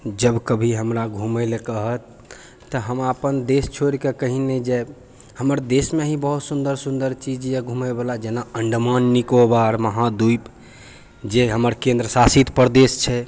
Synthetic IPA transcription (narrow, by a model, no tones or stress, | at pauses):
d͡ʒəbkəbʱiɦəmɾaɡʱuməlekəɦət̪ː | əɦəmapənd̪est͡ʃʰoɾikekəɦined͡ʒe | həməɾd̪esmeɦĩbəɦut̪sund̪əɾsund̪əɾt͡ʃid͡ʒjeɡʱumɛbelad͡ʒenaəɳɖmanːikobaɾməɦad̪ujp | d͡ʒeɦəməɾkẽnd̪ɾəsasit̪pəɾd̪est͡ʃʰɛ